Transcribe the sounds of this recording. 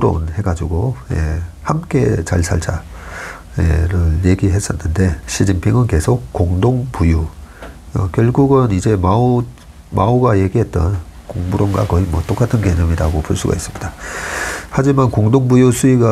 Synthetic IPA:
ɾo̰nhe̞ɡad͡ʑiɡojḛhamk͈e̞t͡ɕaɭsʰa̰ɭt͡ɕʰa̰ | jḛɾɯɭje̞ɡiɦe̞s͈ʌnːɯnde̞ɕʰid͡ʑinpʰiŋɯnke̞sʰok̚k͈oŋdoŋpuju | ʌkjʌɭɡuɡɯnid͡ʑe̞ma | mauɡaje̞ɡiɦe̞t̚t͈ʌnkoŋbuɾonɡa̰kʌimwʌt͈ok͈atʰɯnke̞ɲʌmiɾaɡopuɭs͈uɡa̰is͈ɯmɲida | had͡ʑimankoŋdoŋbujusʰuiɡa

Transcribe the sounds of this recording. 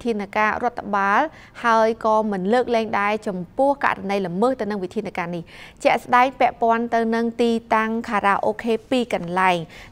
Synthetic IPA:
t̪ʰiənakaːrŏət̪ʰːaɓaːl | haəjkɑːmɨnləːk̚lɛːŋɗaɛt͡ɕɑmpʊ̆əhka̰ʔranəjləməːht̪ɨwnɨŋʋit̪ʰiənakaːniht͡ɕɛ̆əʔsɗaɛŋpɛ̆əʔpŏənt̪ɨwnɨŋt̪iːt̪aŋkʰaːɾaːʔoːkʰeːpiːkɑnlaɛŋ

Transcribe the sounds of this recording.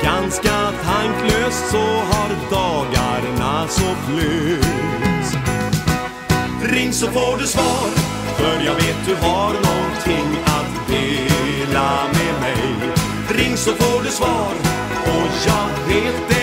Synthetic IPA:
ɡ̥anskat̪ʰaŋkløːst̪sɔɦaɾd̪ɑːɡaɾɳasɔfʰlʉ | t̪ | ɾɪŋːsɔfoːɖɵsvɑːɾ | fœɾjɑːɡveːt̪̚d̪ɵɦaɾnɔnt̪ʰɪŋːat̪d̪eːlamɛmɛj | ɾɪŋːsɔfoːɖɵsvɑːɾ | ɔjɑːɡveːt̪̚d̪ɛ

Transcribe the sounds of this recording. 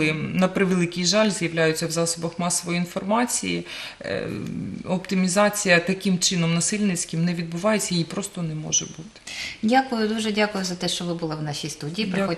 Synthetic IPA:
ɪnɐpɾɪʋelˠɪkɪjʒɑlʲzjɐʋlʲajʊt͡sʲːɐwzɑsɔbɐxmɑsːɔʋɔjiinfɔrmɑt͡sʲijḭ | ɔpt̪ɪmʲizɑt͡sʲijɐt̪ɐkɪmt͡ʃɪnɔmnɐsɪlʲnɪt͡sʲkɪmnɛʋʲid̪̚bʊʋɑjet͡sʲːɐipɾɔst̪ɔnɛmɔ̰ʒɛ̰but̪ɪ̥dʲakʊjʊd̪uʒɛdʲakʊjʊzɐt̪ɛʃt͡ʃɔʋɪbʊlˠɪwnɑʃʲijst̪udʲiːipɾɔ

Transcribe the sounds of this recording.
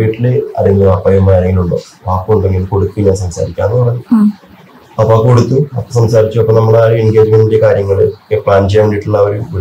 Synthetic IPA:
iiʈːileɐ̰leŋɡilɐpːɐjumaːjɐlːeŋɡiluɳɖo̰ː | paːpːuuɳɖe̞ŋɡilkoɽut̪ːuɲaːnsɐmsa̰ːɾikʲːaːnːkoɽɐɲːu | ɐpːoːkoɽut̪ːuɐpːosɐmsaːɾit͡ɕːuɐpːoːnɐmːɐɭaɾuenɡeːd͡ʑmendindekaːɾjɐŋːɐɭɨkːepɭaːnd͡ʑijamuɳɖiʈːuɭːɐːʋɐɾumʋi

